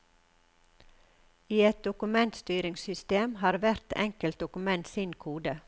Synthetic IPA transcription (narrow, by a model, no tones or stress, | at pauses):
iːɛt̪̚d̪ʊkʉmɛnt̪st̪yːɾɪŋsʏst̪eːmhɑːɾʋæɾt̪ʰɛ̰ŋkəlt̪̚d̪ʊkʉmɛnt̪sɪnkʰuːd̪ə